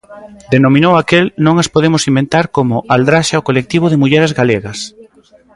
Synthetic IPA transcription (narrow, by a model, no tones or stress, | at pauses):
d̪enomĩnowakelnõŋaspoðemʊsimbẽnt̪aɾkomʊʔald̪ɾaʃaokolek̚t̪iβ̞ʊðɪmuʎɛɾezɣaleɣɐs